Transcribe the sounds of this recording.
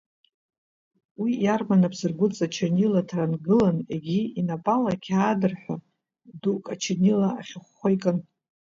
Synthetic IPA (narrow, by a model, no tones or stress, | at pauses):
wijarmanabzɨrɡʷʊt͡sʼat͡ʃʰenilatʰaranɡɨlanḛɡʲiinapʼalakʲʰaːdɨrħʷᶣa | dukʼat͡ʃʰenilaaχʲɪχʷːojkʼan